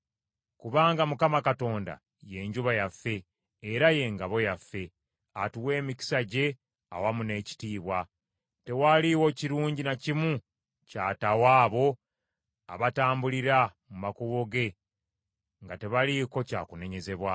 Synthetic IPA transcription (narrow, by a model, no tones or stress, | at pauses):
kuβaːŋɡamukamakato̞ːnda̰ | je̞ɲɟuβajafːe̞ː | ɾaje̞ŋɡaβo̞jafːe̞ | atuwe̞ːmiki̥saɟe̞ | a̰wamune̞ːci̥tiːβwa | te̞waliwo̞ciɾuːɲɟinacimu | caːtawaːβo̞ | aβataːmbuliɾamumakuβo̞ɡe̞ | ŋɡate̞βaliko̞ca̰ːkune̞ɲe̞ze̞βwa